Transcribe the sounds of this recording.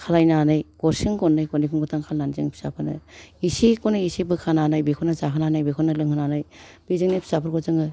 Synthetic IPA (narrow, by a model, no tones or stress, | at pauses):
kʰalajnanɯjɡ̥ɔɾsiŋɡɔnːɯjkɔnikʰɯŋɡɔtʰaŋkʰalnanzɯŋpʰi̥sa̰pʰɯnɯ̰isikɔnɯisibɯkʰananajbikʰɔnazaɦɯnanajbikʰɔnɯlɯŋɯnanajb̥izɯŋnipʰi̥sapʰɯɾkɔzɯŋɯ